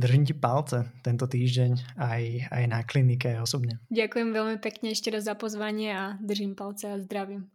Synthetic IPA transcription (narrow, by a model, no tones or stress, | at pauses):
d̪r̩ʒimcɛpalt͡sɛt̪ɛnt̪ɔt̪iːʒɟɛɲajajnaklinikɛajɔsɔbɲɛɟakujɛmʋɛʎmipɛkɲɛɛʃcɛɾazzapɔzʋaɲɪɛad̪r̩ʒimpalt͡sɛazd̪ɾaʋi